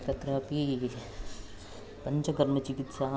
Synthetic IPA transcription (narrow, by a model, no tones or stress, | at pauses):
t̪ɐt̪ɾaːpi | pɐɲt͡ʃɐɡɐɾmet͡ʃikit̪saː